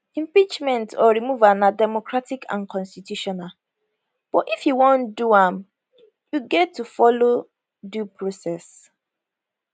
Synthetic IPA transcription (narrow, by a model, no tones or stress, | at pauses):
ĩmpit͡ʃmɛ̃ntɔɹimuvanadɛmɔkɹatikʰã̰nkʰɔ̃nstitjuʃɔnal | b̥ɔtifjuwõnduãm | juɡɛtːufɔlo | dupɹosɛs